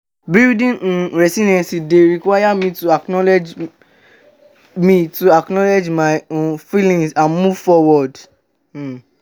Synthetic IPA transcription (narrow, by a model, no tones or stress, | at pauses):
bildĩñ̩ɾɛsinɛ̃sideɾikwajamĩtuaknɔlɛd͡ʒ | mĩtuaknɔled͡ʒmãfilĩŋsãnmuvfɔwɔd̩